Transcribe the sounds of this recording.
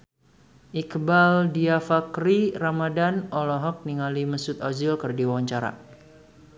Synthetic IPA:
ʔikbaldiafakɾiramadanʔɔlɔɦɔk̚niŋaliməsut̪ɔzilkərdiwawaɲt͡ʃaɾa̰

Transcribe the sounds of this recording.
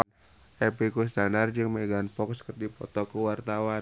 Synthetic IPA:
ɛpikus̬t̪anard͡ʒɨŋmeɡanfɔkskərdipɔt̪ɔkəwart̪awa

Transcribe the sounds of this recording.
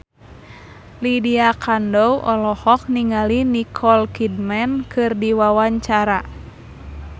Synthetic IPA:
lidiakandɔwʔɔlɔhɔk̚niŋalinikʰɔlkidmɛnkɨrdiwawaɲt͡ʃaɾa

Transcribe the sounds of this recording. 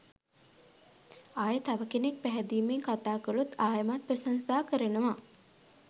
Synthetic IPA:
ajət̪aʋəkenek̚pæɦɛd̪iːmeŋkat̪aːkəlut̪aːjəmat̪̚pəsansaːkəɾənəʋa

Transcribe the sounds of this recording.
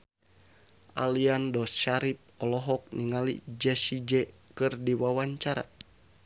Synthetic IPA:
ʔa̰liandɔsʃaɾip̚ɔlɔɦɔk̚niŋalḭd͡ʒɛsid͡ʒɛkɨrdiwawaɲt͡ʃaɾa̰

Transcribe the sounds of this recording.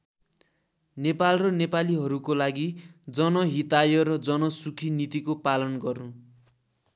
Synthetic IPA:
nepalrʌnepaliɦʌɾukolaɡid͡zʌnʌɦit̪ajʌɾʌd͡zʌnʌsukʰinit̪ikopalʌnɡʌrũ

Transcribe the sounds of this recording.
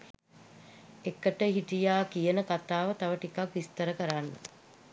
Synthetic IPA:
ekːəʈəɦiʈ̪ijaːkijənəkat̪aːʋət̪aʋəʈikakʋist̪əɾəkəɾanːə̰

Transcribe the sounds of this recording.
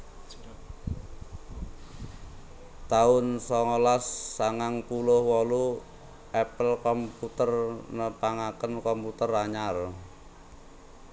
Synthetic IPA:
t̪aʊnsɔŋɔlasːaŋaŋpulʊhwɔlu | ʔɛpəlkɔmput̪ərnəpaŋakənkɔmput̪əraɲar

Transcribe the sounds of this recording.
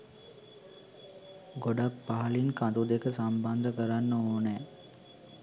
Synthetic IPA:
ɡoɖapːaɦɐlinkad̪ud̪ekəsamband̪əkəɾanːəoːnɛː

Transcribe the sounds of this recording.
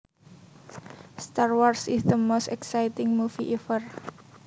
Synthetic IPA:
st̪arwarsɪsðəmost̪ɛksajtɪŋmufiʔɛfər

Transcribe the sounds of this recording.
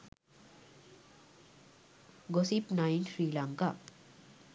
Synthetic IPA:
ɡosipnajnsɾiːlaŋka

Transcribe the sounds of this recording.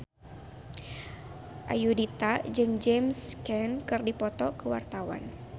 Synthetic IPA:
ʔa̰judit̪ad͡ʒɨŋd͡ʒɛmskɛnkɨrdipɔt̪ɔkəwa̰rt̪awa̰n

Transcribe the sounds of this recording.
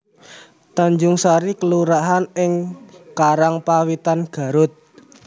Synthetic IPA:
t̪aɲd͡ʒʊŋsaɾikəluɾaɦanɪŋkaɾaŋpawit̪anɡ̥ä̤ɾʊt̪̚

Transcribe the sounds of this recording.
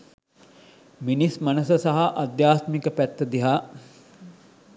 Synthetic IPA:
minismanəsəsaɦaʔɐd̪jaːst̪mikəpæt̪ːəd̪iɦaː

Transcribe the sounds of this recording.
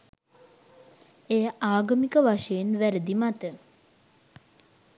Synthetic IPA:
ejəʔaːɡəmikəʋaʂejenʋæɾəd̪imat̪ə

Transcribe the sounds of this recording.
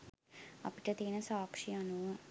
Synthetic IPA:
ɐ̰piʈɐt̪iːnɐsaːkʂiɐnuʋɐ

